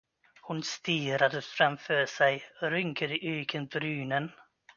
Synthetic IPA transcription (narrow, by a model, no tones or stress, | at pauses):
hʊnst̪iːɾad̪əfɾamfœːʂɛjɔɾʏŋkʰəd̪ɪʔyːkʰənbɾyːnən